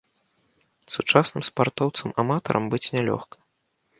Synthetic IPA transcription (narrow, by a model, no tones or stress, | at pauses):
sut͡ʂasnɨmspart̪ɔwt̪sɨmamat̪ɐ̰ɾʔɐmbɨt͡sʲnʲɛlʲɔ̰xkɐ̥